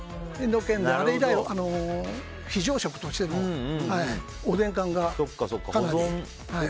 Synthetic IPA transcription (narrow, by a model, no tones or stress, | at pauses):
end̪o̞kẽnd̪eaɾeiɡaioʔano̞ | çiʑo̞ːɕo̞kɯ̟̥t̪oɕi̥t̪e̞mohai | od̪ẽ̞ŋkãŋɡasokːasokːakanaɾĩ | hai